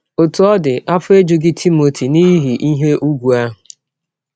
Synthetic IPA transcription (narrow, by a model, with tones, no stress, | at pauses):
o˨tu˨ɔ˦dɪ˨ʔa˦fʊ˦e˦d͡ʒu˨ɡi˦tʰi˦mo˨tʰi˨ni˦ɦi˨ʔi˦ɦe˦ʔu˦ɡʷu˨a˦ɦʊ˨